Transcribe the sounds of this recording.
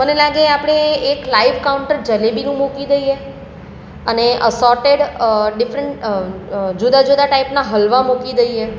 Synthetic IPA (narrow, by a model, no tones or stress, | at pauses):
mənelaɡeapɽ̃eːklaiʋkawʊɳʈəɾd͡ʒəlebinũmokid̪əie | əneʔəsɔɾʈeɽɖɪfɾəɳʈ | d͡ʒud̪ad͡ʒud̪aʈaipnaɦəlʋamokid̪əie